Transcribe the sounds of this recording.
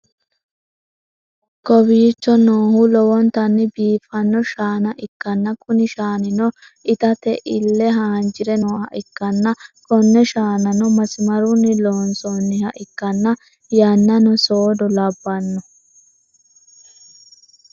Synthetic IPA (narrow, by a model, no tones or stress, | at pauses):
kɔbiːt͡ʃːɔnoːhʊlɔwɔnt̪ɐnːɪbiːfɐnːɔʃaːnɐʔɪkːɐnːɐkʼʊnɪʃaːnɪnɔ | ɪt̪ɐt̪ɛʔɪlːɛɦaːnd͡ʒɪɾɛnoːhɐ̰ʔɪkːɐnːɐkɔnːɛʃaːnɐnɔmɐsɪmɐɾunːɪloːnsɔnːɪhɐʔɪkːɐnːɐ | jɐnːɐnɔsoːd̪ɔlɐbːɐnːɔ